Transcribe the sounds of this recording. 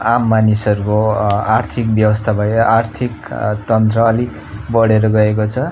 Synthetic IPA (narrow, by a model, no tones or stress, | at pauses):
amːanisʌɾukoart̪ʰik̚bjʌbʌst̪ʰabʱʌjʔart̪ʰikt̪ʌnt̪rʌːli | bʌɽeɾʌɡʌek̬ot͡sʰʌ